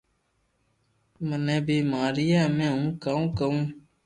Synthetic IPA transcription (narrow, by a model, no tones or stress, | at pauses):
mənɛ̃ːbiːmaːɾɪjɛːmɛ̃ːɦũːkaːũːkəũː